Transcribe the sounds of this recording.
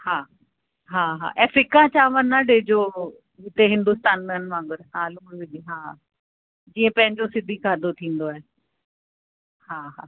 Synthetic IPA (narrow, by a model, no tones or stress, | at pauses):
hãː | ɦãːɦa̰ːʔɛːfɾɪkãːt͡ɕaːʋənːãːɖeːd͡ʒoː | ɪt̪eɦɪ̃nd̪ʊst̪aːnmənʋãːŋɡəɾɦãːlʊʋɪd͡ʒiɦãː | d͡ʒiːẽːpɛ̃ɦɪ̃ɲd͡ʒoːsɪd̪ʱiːkʰaːd̪oːt̪ʰĩːnd̪oːɛː | hãːɦaː